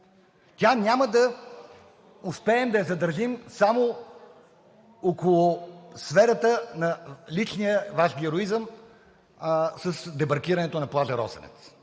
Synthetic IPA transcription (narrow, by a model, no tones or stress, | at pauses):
t̪ʲanʲaməd̪ɐ | ʊspɛːmd̪ɐɛzɐd̪əɾʒimsamo | okolˠʊsfɛɾət̪ənɐlit͡ʃnijəvaʒɡʲiɛɾoizəm | səsd̪ɛbɐɾkʲiɾənɛt̪onɐplˠazɐɾɔ̰sə̰nɛ̰t̪s